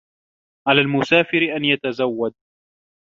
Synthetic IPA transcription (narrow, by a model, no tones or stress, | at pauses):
ʕalaːlmʊsaːfɪɾɪʔanjat̪azawːad̪̚